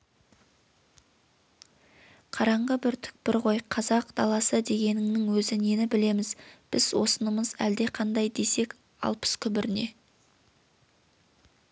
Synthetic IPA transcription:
qʰɑɾɑɴʁəbɪɾt̪ʰʏ̥k̚bɪɾʁo̞jqʰɑzɑqd̪ɑlˠɑsəd̪e̞ɡʲe̞nɪŋnɪŋwɵzɪne̞nɪbɪle̞mɪzb̥ɪzwo̞̰sənəməzæld̪e̞qʰɑnd̪ɑjd̪e̞se̞k | ɑ̰lˠpə̥skʲʰʏbɪɾɪne̞

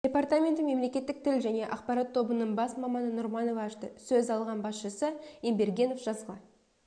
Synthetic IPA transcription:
d̥̪ʲe̞part̪amʲe̞nt̪əme̞mle̞kʲe̞t̪ːɪk̚t̪ʰɪlʒæne̞ʔɑqpɑɾɑt̪ʰːo̞bənəɴbɑsmɑmɑnənʊɾmɑno̞vɑʃt̪əsɵzɑlˠʁɑnbɑsʃəsəembe̞ɾɡʲe̞no̞fʒɑzʁɑ

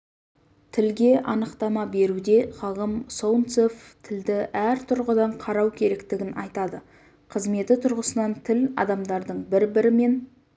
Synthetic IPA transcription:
t̪ʰɪlɡʲe̞ʔɑnəqt̪ɑmɑbe̞ɾud̪e̞χɑʁəmsownt̪soft̪ʰɪld̪ɪʔæɾt̪ʰʊɾʁəd̪ɑɴqʰɑɾɑwkʲʰe̞ɾe̞kt̪ɪɡʲɪnʔɑjt̪ɑd̪ə | qʰəzme̞t̪ɪt̪ʰʊɾʁəsənɑnt̪ʰɪlɑ̰d̪ɑmd̪ɑɾd̪əɴbɪɾbɪɾɪme̞n

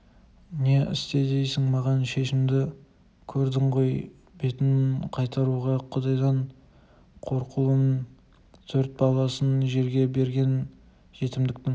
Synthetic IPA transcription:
ne̞ʔɪ̰st̪e̞d̪e̞jsɪŋmɑʁɑnʃe̞ʃɪmd̪ɪ | kʲʰɵɾd̪ɪɴʁo̞j | be̞t̪ɪnqʰɑjt̪ɑɾuʁɑqʰʊd̪ɑjd̪ɑɴ | qʰo̞ɾqʰulˠən | t̪ʰɵɾt̪̚bɑlˠɑsənʒe̞ɾɡʲe̞be̞ɾɡʲe̞n | ʒ̥e̞t̪ɪmd̪ɪk̚t̪ɪŋ

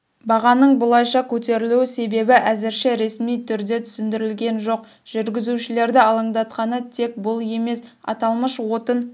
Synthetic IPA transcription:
bɑʁɑnəɴbʊlˠɑjʃɑkʲʰɵt̪e̞ɾɪluwɪse̞be̞bɪʔæzɪɾʃeɾe̞smijt̪ʰʏɾd̪e̞t̪ʰʏ̥sɪnd̪ɪɾɪlɡʲe̞nʒoq | ʒ̥ʏɾɡʲɪzuʃɪle̞ɾd̪ɪɑlˠəɴd̪ɑt̪qɑnət̪ʰe̞k̚bʊlˠe̞me̞sɑ̰t̪ɑlˠməʃwo̞t̪ən

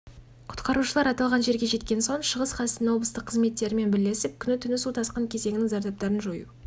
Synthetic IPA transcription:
qʰʊ̥t̪qɑɾuʃəlˠɑɾɑt̪ɑlˠʁɑnʒe̞ɾɡʲe̞ʒe̞t̪kʲe̞nso̞ɴʃəʁəsqʰɑsɪt̪ɪnwo̞blˠəst̪əqʰːəzme̞t̪ːe̞ɾɪme̞nbɪle̞sɪp̚kʲʰʏnɪt̪ʰʏnɪsut̪ʰɑsqɑŋkʲʰe̞ze̞ŋɪnɪŋzɑɾd̪ɑp̚t̪ɑɾənʒojṵ

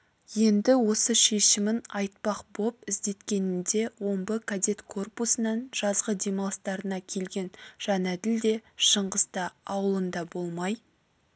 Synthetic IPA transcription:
je̞nd̪ɪwo̞səʃe̞ʃɪmɪnɑjt̪̚pɑqbo̞p̚ɪzd̪e̞t̪kʲe̞nɪnd̪e̞wo̞mbəkʰad̪e̞t̪kʰo̞rpusənɑnʒ̥ɑzʁəd̪e̞mɑlˠst̪ɑɾənɑkʲʰe̞lɡʲe̞nʒ̥ɑnæd̪ɪld̪e̞ʃəɴʁəzt̪ɑːwəlˠənd̪ɑbo̞lˠmɑj

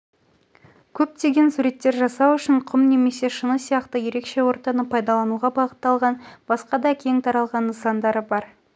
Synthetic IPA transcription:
kʲʰɵp̚t̪e̞ɡʲe̞nsuɾe̞t̪ːe̞ɾʒɑsɑwʏʃɪɴqʰʊmne̞me̞se̞ʃənəsijɑqt̪əje̞ɾe̞kʃe̞wo̞ɾt̪ɑnəpʰɑjd̪ɑlˠɑnuʁɑbɑʁət̪ːɑlˠʁɑnb̥ɑsqɑd̪ɑkʲʰe̞ŋt̪ʰɑɾɑlˠʁɑnːəsɑnd̪ɑɾəbɑɾ

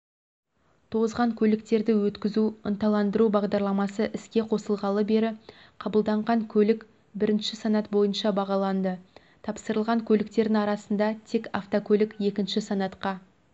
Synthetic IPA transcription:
t̪ʰo̞ʁəzʁɑŋkʲʰɵlɪkt̪e̞ɾd̪ɪwɵt̪kʲɪzuʊnt̪ɑlˠɑnd̪əɾubɑʁd̪ɑɾlˠɑmɑsəʔɪskʲe̞qʰo̞səlˠʁɑlˠəbe̞ɾɪ | qʰɑbəlˠd̪ɑɴʁɑŋkʲʰɵlɪk | bɪɾɪnʃɪsanɑt̪bo̞jənʃɑbɑʁɑlˠɑnd̪ə | t̪ʰɑpsəɾəlˠʁɑŋkʲʰɵlɪkt̪e̞ɾd̪ɪŋɑɾɑsənd̪ɑt̪ʰe̞kaft̪okʲʰɵlɪkje̞kʲɪnʃɪsanɑt̪qɑ

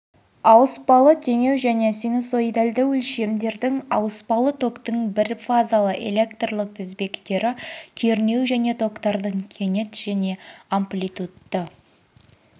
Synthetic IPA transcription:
ɑwəspɑlˠət̪ʲʰe̞nʲe̞wʒæne̞sinoso̞jd̪ald̪ɪwʏlʃe̞md̪e̞ɾd̪ɪŋɑwəspɑlˠət̪ʰo̞kt̪əɴbɪɾfazalˠəʔe̞̰lʲe̞kt̪rlˠəq̚t̪ʰɪzbe̞kt̪e̞ɾɪkʲʰe̞ɾne̞wʒæne̞t̪ʰo̞kt̪ɑɾd̪əɴkʲʰe̞ne̞t̪ʒ̥æne̞amplʲit̪ut̪ːə

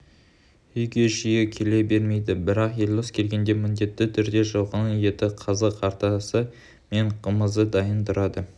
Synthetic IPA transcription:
ʏjɡʲe̞ʒijekʲʰe̞le̞be̞ɾme̞jd̪ɪbɪɾɑqje̞lʲoskʲʰe̞lɡʲe̞nd̪e̞mɪnd̪e̞t̪ːɪt̪ʰʏɾd̪e̞ʒɑwʁɑnəje̞t̪ɪqʰɑzɑqʰɑɾt̪ɑsə | me̞ɴqʰəməzəd̪ɑjənt̪əɾɑd̪ə

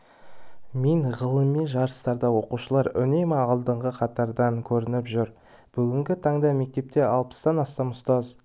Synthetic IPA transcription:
meɴʁəlˠəmːenʒɑɾəst̪ɑɾd̪ɑwo̞quʃəlˠɑɾʏ̰nejmɑlˠd̪əɴʁəqʰɑt̪ɑɾd̪ɑŋkʲʰɵɾɪnɪpʒʏɾ | b̥ʏɡʲɪŋɡʲɪt̪ʰɑɴd̪ɑme̞k̚t̪e̞p̚t̪e̞ʔɑlˠpə̥sd̪ɑnɑst̪ɑmʊst̪ɑz

